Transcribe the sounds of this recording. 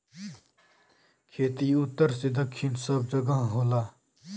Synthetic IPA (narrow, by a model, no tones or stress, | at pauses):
kʰeːt̪iut̪ːəɾsed̪ʌkʰːinsʌb̚d͡ʒʌɡʌɦɦola